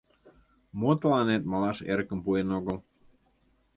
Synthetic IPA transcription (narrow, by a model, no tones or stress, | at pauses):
mot̪əlɑnet̪mɑlɑʃeɾkə̆mpuenoɣəl